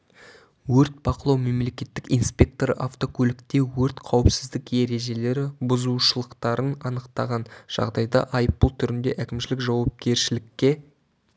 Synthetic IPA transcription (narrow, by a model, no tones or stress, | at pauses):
wɵɾt̪̚b̥ɑqəlˠɑwme̞mle̞kʲe̞t̪ːɪkijnspʲe̞k̚t̪o̞ɾə̰ʔaft̪o̞kʰɵlɪkt̪e̞wɵɾt̪qʰɑwəpsɪzd̪ɪkje̞ɾe̞ʒe̞le̞ɾɪbʊzuʃəlˠəqt̪ɑɾənɑnəqt̪ɑʁɑnʒ̥ɑ̰ʁd̪ɑjd̪ɑ̰ʔɑjəp̚ːbʊlˠt̪ʰʏɾɪnd̪e̞ʔækʲɪmʃɪlɪkʒɑwɑp̚kʲʰe̞ɾʃɪlɪkʲːe̞